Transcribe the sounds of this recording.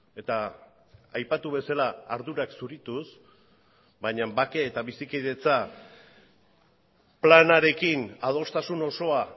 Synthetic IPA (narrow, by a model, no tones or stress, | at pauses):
e̞t̪a | ajpat̪uβe̞salaːɾðuɾaksuɾit̪us | baɲambake̞ːt̪aβisikiðe̞t͡sa | planaɾe̞kinað̞o̞st̪asuno̞so̞a